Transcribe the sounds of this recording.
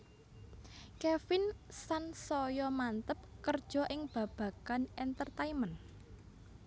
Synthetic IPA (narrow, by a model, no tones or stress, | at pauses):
kɛfɪnsansɔjɔmant̪əp̚kərd̥ʒ̥ɔ̤ʔɪŋb̥ä̤b̥ä̤kanɛnt̪ərt̪aimən